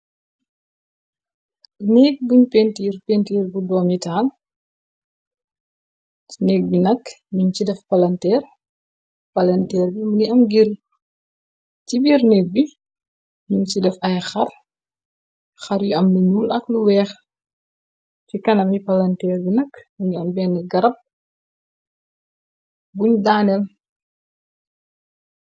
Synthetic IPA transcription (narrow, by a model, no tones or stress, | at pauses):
nɛːk̚buɲpentiːrpentiːrbudɔːmitaːl | inɛk̚binɐk | muɲt͡ʃidɛfpɐlɐntɛːr | pɐlɐntɛːrbimuniɐmɡiɾ | cibiːrnɛk̚bi | miɲt͡ʃidɛfɐjxɐr | xɐɾjuɐmluɲuːlʔɐkluwɛːx | cikɐnɐmipɐlɐntɛːrbinɐkmuɲiɐmbɛːnːəɡɐɾɐp̚ | buɲdaːnɛl